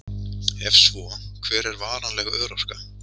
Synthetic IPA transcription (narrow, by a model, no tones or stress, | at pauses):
ɛfsvɔkʰvɛːɾɛɾvaːɾanlɛːɣaœːɾɔr̥ka